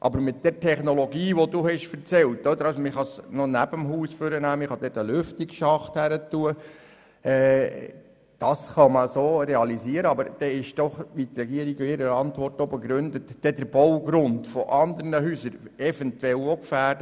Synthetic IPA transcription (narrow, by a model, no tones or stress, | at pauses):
ʔɑ̰bəɾmɪt̚d̥̪ɛɾtʰɛχnɔlɔɡiːʋoduɦɛʃfəɾt͡sɛltɔd̪əɾɑsomɪχɑsnɔnæb̥əmɦuːsfʏɾənæːmɪχɑd̥̪ɛtəlʏftɪkʃɑχthæɾətːuə | ɛː | d̥ɑsχɑməsoːɾɛɑlisiəɾəɑbəɾd̥ɛɪʃd̥ɔχʋit̪ɾɛɡiəɾiɡoɪɾəɑnt̪ʋɔrtobəɡɾʉnd̪ətːɛdəɾb̥ɔwɡ̥ɾʊntfɔʔɑnd̪əɾnəɦyːsəɾɛfɛnt̪wɛlokfæːɾd̥ə